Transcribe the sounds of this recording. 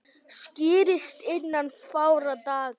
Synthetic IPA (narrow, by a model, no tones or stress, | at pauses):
scɪːɾɪst̪ɪnːanfaːwɾat̪aːɣ